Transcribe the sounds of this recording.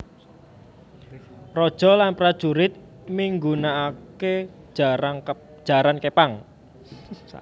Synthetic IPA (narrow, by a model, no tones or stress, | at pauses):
rɔd̥ʒ̥ɔ̤lanpɾad̥ʒ̥ṳɾɪt̪̚ | miŋɡunaːke | ʒ̥a̤ɾankepaŋ